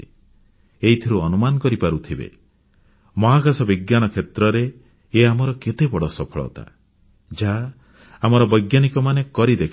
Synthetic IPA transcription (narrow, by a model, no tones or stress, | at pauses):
eɦit̪ʰiɾuɔnumanɔkɔɾipaɾut̪ʰibḛ | mɔɦaɡasɔbiɡjanɔkʰet̪ɾɔɾeː | amɔɾɔket̪ebɔɽɔsɔpʰɔɭɔ̰t̪a̰ | d͡ʒa | amɔɾɔbɔjɡjanikɔmanekɔɾid̪ekʰ